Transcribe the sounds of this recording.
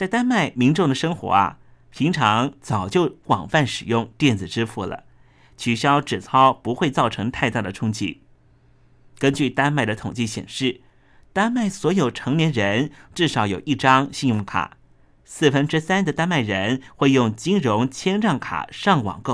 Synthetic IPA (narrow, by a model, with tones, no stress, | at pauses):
t͡sa˥˩ɪt̪a˥nma˥˩ɪmi˧˥ŋʈ͡ʂʊ˥˩ŋd̪ə˩ʂɤ˥ŋxwɔ̰˧˥ɐ̰˧ | pʰi˧˥ŋʈ͡ʂʰɑ˧˥ŋt͡sɑ˨˩ʊt͡ɕjo˥˩ʊwɑ̰˨˩ŋfa˥˩nʂɻ̩˨˩jʊ˥˧ŋt̪jɛ˥˩nd͡zɹ̩˨˩ʈ͡ʂɻ̩˥fu˥˩lə̰˩ | t͡ɕʰy˨˩ɕjɑ˥ʊʈ͡ʂɻ̩˨˩t͡sʰɑ˥ʊpu˧˥xwe˥˧ɪt͡sɑ˥˩ʊʈ͡ʂʰɤ˧˥ŋt̪ʰa˥˧ɪt̪a˥˩d̪ə˩ʈ͡ʂʰʊ˥ŋt͡ɕḭ˥˩ | kə˥nt͡ɕy˥˩t̪a˥nma˥˩ɪd̪ə˩t̪ʰʊ˨˩ŋt͡ɕi˥˩ɕjɛ̰˨˩nʂɻ̩˥˩ | t̪a˥nma˥˩ɪswɔ˧˥jo˨˩ʊʈ͡ʂʰɤ˧˥ŋnjɛ˧˥nɻə˧˥nʈ͡ʂɻ̩˥˩ʂɑ˨˧˥ʊjo˨˩ʊʔi˥˩ʈ͡ʂɑ˥ŋɕi˥˧jʊ˥˩ŋkʰa̰˨˩˦ | sɹ̩˥˩fə˥nʈ͡ʂɻ̩˥sa˥nd̪ə˨t̪a˥nma˥˩ɪɻə˧˥nxwe˥˧ɪjʊ˥˩ŋt͡ɕi˥nɻʊ˧˥ŋt͡ɕʰjɛ˥nɻɑ˥˩ŋkʰa̰˨˩ʂɑ˥˩ŋwɑ̰˨˩ŋko˥˩